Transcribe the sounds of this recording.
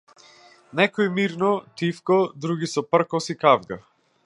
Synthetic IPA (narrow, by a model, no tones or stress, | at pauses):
nɛkɔimiɾnɔt̪ifkɔd̪ɾuɡisɔpr̩kɔsikavɡa